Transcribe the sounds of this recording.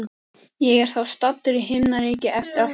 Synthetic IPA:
jɛɣɛɾ̥θawst̪at̪ːʏɾɪɦɪmnaɾiːcɪʔɛft̪ɪɾa

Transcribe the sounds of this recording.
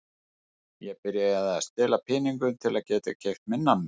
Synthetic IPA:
jɛɣpɪɾjaaðast̪ɪːlapʰɪːniŋkʏnt̪ʰɪlaðcɛːt̪a̰cʰejft̪mɪnːanː

